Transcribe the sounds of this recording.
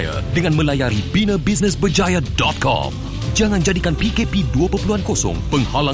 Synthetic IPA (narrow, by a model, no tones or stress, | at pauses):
ja̰dəŋãnmə̃lajaɾibinə̃bis̬nə̃sbəd͡ʒajadɔt̪̚kɔ̰m | d͡ʒaŋãnd͡ʒadikanpikepiduapərpəluankosɔ̰ŋpəŋhala